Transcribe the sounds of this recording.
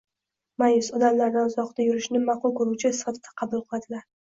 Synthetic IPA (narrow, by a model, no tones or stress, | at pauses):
majʊsɒd̪amlaɾd̪anzɒqt̪ajʊɾɪʃnɪmɑqʊlˠkoɾuwt͡ʃʰɪɪsːɪ̥fat̪ʰɪd̪ḁqʰɑbʊlˠqʰɨlad̪ɪlaɾ